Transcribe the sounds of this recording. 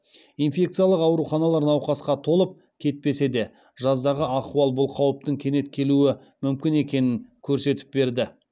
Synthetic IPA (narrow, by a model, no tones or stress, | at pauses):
ijnfʲe̞k̚t̪sɨijɑlˠəqɑwɾuχɑnɑlˠɑɾnɑwqɑsqɑt̪ʰo̞lˠəp̚ | kʲʰe̞t̪̚pe̞se̞d̪e̞ | ʒɑzd̪ɑʁəɑquwɑlˠbʊlˠqʰɑwəp̚t̪əŋkʲʰe̞ne̞t̪̚kʲʰe̞luɪ | mʏmkʲɪne̞kʲe̞nɪŋkʲʰɵɾse̞t̪ɪ̥p̚be̞ɾd̪ɪ